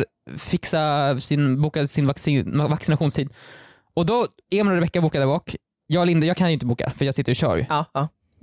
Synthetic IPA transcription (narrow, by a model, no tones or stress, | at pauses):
fɪksasɪnbuːkasɪnvaksivaksɪnaɧuːnst̪ʰiːd̪ | ɔd̪ɔ | ɛmnoːɾvɛkːabuːkad̪ɛɾbɑːk | jɑːɡlɪnd̪əjɑːɡkʰanjʏɪnt̪əbuːka̰fœɾjɑːɡsɪt̪ːəɾɪɕœ̰ɾj